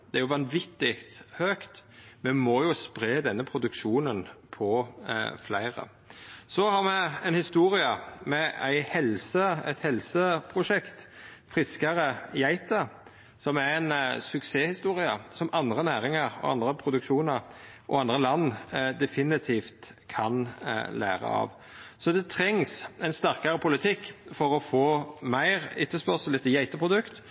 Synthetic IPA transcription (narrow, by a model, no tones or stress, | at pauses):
d̪ɛæɾjʊʋɑnʋɪt̪ːɪkt̪høːkt̪mɛmojʊspʁeːd̪ɛnːəpʰɾʊd̪ʉkʂuːnənpʰɔflæɪʁə̰ | sɔhɑʁmɛɛnhɪst̪uːɾɪəmɛæ̰ɪhɛlsəɛt̪hɛlsəpʰʁʊʂɛkt̪fʁɪskəɾəɪæɪt̪ə | sɔmæɾænsʉkseːhɪst̪uːɾɪɑsɔmʔɑnd̪ʁənæːɾɪŋɑɾɔ̰ɑ̰nd̪ɾəpʰɾʊd̪ʉkʃuːnɑɾʔɔ̰ɑnd̪ɾəlɑnːd̪ɛfɪnɪt̪ʰiːft̪ | kʰɑnlæ̰ːɾə̰ɑ̰ʋ | sɔd̪ɛt̪ʰɾɛŋsæɪnst̪æʁkɑɾəpʰʊlɪt̪ʰɪkːfɔɾɔfoːmæɪɾɪt̪ːəspœʁsəl̩ɛt̪ːəjæɪt̪əpʰʁʊd̪ʉkt̪